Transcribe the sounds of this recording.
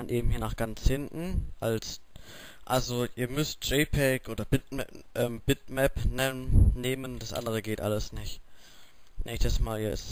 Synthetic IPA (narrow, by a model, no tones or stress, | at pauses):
anʔeːbm̩hiːɐnaːχɡ̥ant͡shɪntn̩ʔals | ʔalzoʔiːɐmʏst̚ʒ̥eːpʰɛkʔoːdɐb̥ɪtɛʔɛːmb̥ɪtmɛpnɛːeːmənd̥asʔa̰ndəʁ̞əɡeːtʔa̰ləsnɪçt | nʔɛːçstəsmaːljɛs